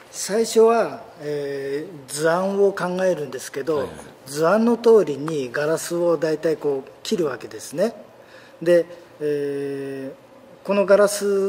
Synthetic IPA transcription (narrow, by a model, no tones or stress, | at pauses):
saiɕo̞βaed͡zɨãɰ̃o̞kãŋɡae̞ɾɯ̟̃nd̪e̞sɨ̥ke̞d̪o̞ | d͡zɨãnːo̞t̪o̞ːɾʲiɲ̟iɡaɾasɨo̞d̪ait̪aiko̞ːkʲiɾɯ̟βake̞d̪e̞sɨne̞ | d̪e̞ | ko̞no̞ɡaɾasɨ